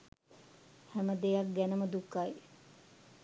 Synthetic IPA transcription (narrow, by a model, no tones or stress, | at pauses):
hæməd̪ejɐk̚ɡænəməd̪ukːai